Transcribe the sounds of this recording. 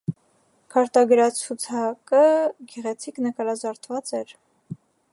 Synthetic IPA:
kʰɑɾt̪ɑɡəɾɑt͡sʰut͡sʰɑkəɡɛʁɛt͡sʰiknəkɑɾɑzɑɾt̪ʰvɑt͡sɛɾ

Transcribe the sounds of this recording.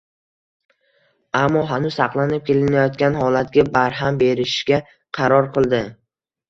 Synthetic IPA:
amːɒɦanʊsɑqlˠanɪp̚kʲʰe̞lɪnajɒt̪̚kʲanɦɒlat̪̚ɡʲabaɾɦambe̞ɾɪʃɡʲa | qʰɑɾɒɾqʰɨlˠd̪ɪ

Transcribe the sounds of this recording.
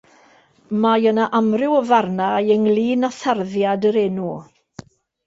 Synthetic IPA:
majənaʔamrɪwəvarnajəŋlˠiːnaθarðjadəɾɛnu

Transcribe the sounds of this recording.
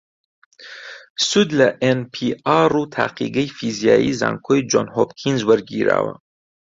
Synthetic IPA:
sud̪laʔenpʰiaɾut̪ʰa̰qʰḭɡijfizijaiza̰ŋkʰojd͡ʒɔnhopkʰinzwəɾɡiɾa̰wa̰

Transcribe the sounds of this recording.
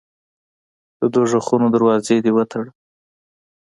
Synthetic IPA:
d̪̥əd̪oʒaxunod̪əɾwɑzed̪ewət̪ʰaɽə

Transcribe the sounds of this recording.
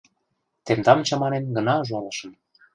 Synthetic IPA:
t̪emd̪ɑmt͡ɕɑmɑnenɡɤ̆nɑʒuɑlɤʃə̆m

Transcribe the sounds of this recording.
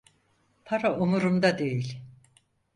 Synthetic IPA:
pʰaɾaumuɾumd̪ad̪e̞jilʲ

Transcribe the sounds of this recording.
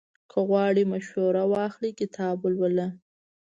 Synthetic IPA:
kʰəɣwɑɽimaʃhuɾawɑxlikɪt̪ʰɑblwəla

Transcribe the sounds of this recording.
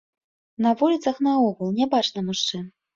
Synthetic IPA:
nɐvulʲit̪sɐxnɐɔɣulˠnʲabat͡ʂnɐmuʂt͡ʂɨ

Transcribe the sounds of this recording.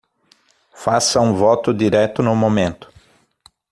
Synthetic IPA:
fasɐũvɔt̪ʊd̪iɾɛt̪ʊnʊmomẽnt̪ʊ̥

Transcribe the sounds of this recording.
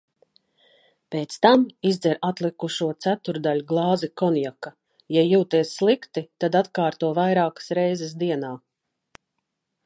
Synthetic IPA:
peːt̪st̪amizd̪ɛɾat̪lˠikuʃuɔt̪sæt̪uɾd̪alʲuɡlˠɑːzikɔnjaka | jajuːt̪iɛsːlˠikt̪it̪ad̪at̪kaːɾt̪uɔvajɾaːkə̥sɾɛjzɛs̬d̪iɛnaː

